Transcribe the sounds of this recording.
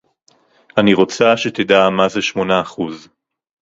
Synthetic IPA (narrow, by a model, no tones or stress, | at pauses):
aniʁo̞t͡saʃet̪ed̪amazeʃmo̞naːχuz